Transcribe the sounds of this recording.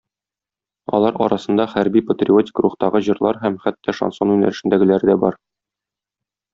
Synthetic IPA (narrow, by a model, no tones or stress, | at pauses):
ɒ̰lˠɑɾɒ̰ɾɑsɤ̆nd̪ɑχæɾbipət̪rʲio̞tʲɪ̥kɾuχt̪ɑʁɤʑɤ̆ɾlˠɑ̰ɾɦæmχæt̪ːæʃɐ̰nso̞nʉnæ̰ɾɘ̆ʃɘ̆nd̪æɡɘ̆læɾɘd̪æbɒɾ